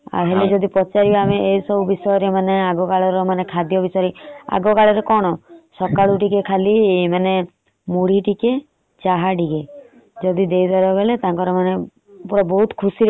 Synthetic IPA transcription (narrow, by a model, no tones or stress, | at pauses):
a̰ɦeled͡ʒɔd̪ipɔt͡ʃaɾibameesɔbubisɔjɔɾemaneaɡɔkaɭɔɾɔmanekʰad̪jɔbisaɾia̰ɡɔkaɭɔɾekɔɽ̃ɔsɔkaɭuʈikekʰaliemane | muɽ̤iʈike | t͡ʃaɦaɖiɡe | d͡ʒɔd̪id̪ejd̪ʱɔɾɔɡelet̪ãŋkɔɾɔmane | puɾɔbɔɦut̪kʰusiɾ